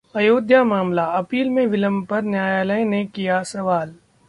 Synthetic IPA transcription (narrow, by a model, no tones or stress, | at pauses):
ɐjoːd̪ʱjamaːmlaɐpiːlmẽʋɪləmpɐɾnjaːjaːləjnekijasɐʋaːl